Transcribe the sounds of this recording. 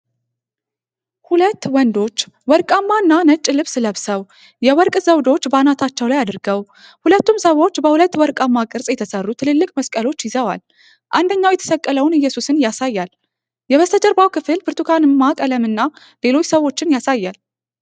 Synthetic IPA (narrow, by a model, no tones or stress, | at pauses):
hulət̪ːwɔnd̪o̞t͡ʃː | wɔɾkʼamːaɨnːanət͡ʃʼːɪlɨβsɨləβsəw | jɛwɔɾkʼzəwd̪o̞t͡ʃːbanat̪ʰat͡ʃːɛwlajad̪ɨɾɡəw | hulət̪ːumsəwo̞t͡ʃːbəhulət̪ːwɔɾkʼamːakʼɨɾsʼjɛt̪ʰəsərːut̪ʰɨlɨlːɨkʼməskʼəlo̞t͡ʃːjɪzəwa̰l | ʔand̪əɲːawjɛt̪ʰə̥səkʼːələwnɨjːɛsusɨnjasajːal | jɛβəst̪ʰəd͡ʒəɾbawkʰɨfɨlbɨɾt̪ʰukʰanɨmːakʼələmɨnːa | le̞lo̞t͡ʃːsəwo̞t͡ʃːɪnjasajːal